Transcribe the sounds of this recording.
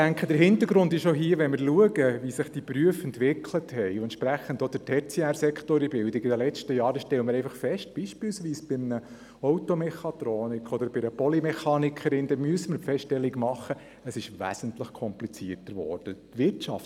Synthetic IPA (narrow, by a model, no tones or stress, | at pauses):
æŋkχədəɾɦɪnt̪əɾɡɾʊnd̪ɪʃoɦiəʋɛnmɪɾluəɡəvisɪχd̥ipɾyəfɛntʋɪkʰləthɛɪʊɛnt͡ʃpɾæχːəndod̥̪ətʰɛt͡sɛæɾsɛkχtoːɾibɪldɪɡɪdəlɛt͡ʃtəjɑːɾəʃtɛləmɪɾɛɪfɑχfɛʃt̚b̥iːʃpɪlsʋiːsb̥ɪmnə | ɔwtɔmɛχɑt̪ɾɔːnɪkʰɔd̪əɾb̥ɪɾəpɔlimɛχɑːnikʰəɾɪnd̪ɛmyəsəməɾpfɛstɛlːiɡmɑχːə | əsɪʃʋæ̰səntləχkʰɔmplit͡siərtəɾʋɔ̰ɾd̥ətʋɪrtt͡ʃɑ̰ft